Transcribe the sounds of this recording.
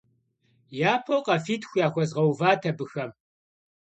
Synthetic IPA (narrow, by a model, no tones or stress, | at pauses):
jaːpʰowqʼɐfiːtʰxʷjaːxʷɔzʁɐwvaːtʰɐbɨxɐm